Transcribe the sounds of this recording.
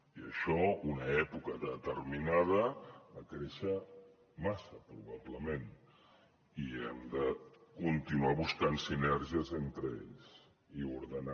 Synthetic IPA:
iəʃɔunəɛpukəðət̪ərminað̞əəkɾeʃə | masəpɾuβabləmen | iɛmd̪əkunt̪inuaβuskansinɛɾʒiəzent̪ɾəḛʎs | iuɾðəna

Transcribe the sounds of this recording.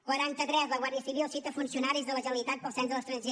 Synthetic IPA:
kwəɾant̪ət̪ɾɛzləɣwarðjəsiβilˠsit̪əfunsiunaɾizðələʒəlit̪at̪̚pəlˠsɛnzðələst̪ɾənʲʒe

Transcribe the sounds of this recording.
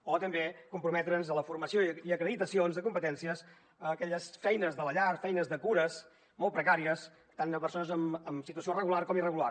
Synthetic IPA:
ot̪əmbekumpɾumɛt̪ɾənzələfuɾməsioiəkɾəðit̪əsionzðəkumpət̪ɛnsiəs | əːkɛʎəsfɛjnəzðələʎaɾfɛjnəzðəkuɾəs | mɔlˠt̪̚pɾəkaɾiəs | t̪anəpəɾsonəzəməmsit̪uəsiorəɣularkɔmirəɣular

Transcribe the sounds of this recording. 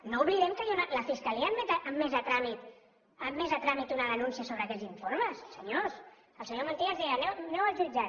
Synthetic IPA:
nouβliðɛmkəjunləfiskəliəmːɛt̪əʔəmːezət̪ɾamit̪ | əmːezət̪ɾamit̪unəðənunsiəsoβ̞ɾəkɛʎziɱfoɾməsːəɲos | əlˠsəɲomənt̪iazðiənɛwnewəʒud͡ʒa

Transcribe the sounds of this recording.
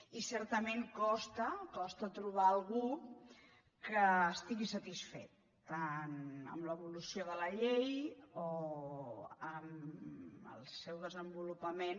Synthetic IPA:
isɛɾt̪əmeŋkɔst̪əkɔst̪ət̪ɾuβ̞aəlˠɣ̞u | kəːst̪iɣisət̪isfḛt̪ː | anə̰mləβulusioðələʎejo | əm | ə̰lˠsɛwðəzəmbulupəmen

